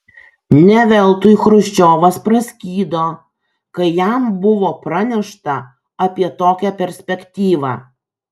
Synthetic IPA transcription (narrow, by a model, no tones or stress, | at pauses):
nʲɛʋʲɛlˠt̪ʊxɾʊʃʲt͡ʃʲoːʋɐspɾɐsʲkʲiːd̪oː | kɐɪjæmbʊʋoːpɾɐnʲɛʃt̪ɐ | ɐpʲiɛt̪oːkʲæpʲɛɾʲsʲpʲɛkʲt̪ʲiːʋɑː